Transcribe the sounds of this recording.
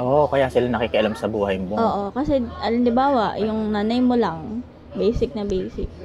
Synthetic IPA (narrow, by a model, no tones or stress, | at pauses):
ʔoːʔkɐjasɪlanɐkikɪʔɐlamsɐbuːhɐjmoʔoːʔokɐsɛʔɐlɐnd̪ɪbaːwɐʔjʊŋnaːnɐjmolɐŋ | bejsɪk̚nɐbɛjsɪk̚